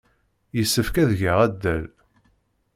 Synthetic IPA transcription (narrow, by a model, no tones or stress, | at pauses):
jəsːəfkæðʝəʁæd̪ːæl